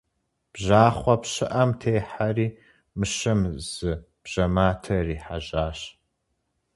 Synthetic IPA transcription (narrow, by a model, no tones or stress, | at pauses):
b̥ʒaːχʷɐpɕɪʔɐmtʰeːħariː | mɨɕɐmz̥ɨ | b̥ʑ̥ɐmaːtʰɐriːħa̰ʑaːɕ